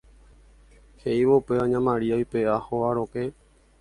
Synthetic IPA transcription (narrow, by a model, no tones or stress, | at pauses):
heiʋoupeãɲãmãɾiajpeahoaɾoke